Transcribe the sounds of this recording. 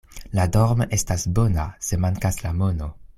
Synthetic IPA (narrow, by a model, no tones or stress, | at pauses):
ladoɾmʔe̞stasbo̞nase̞maŋkaslamo̞no̞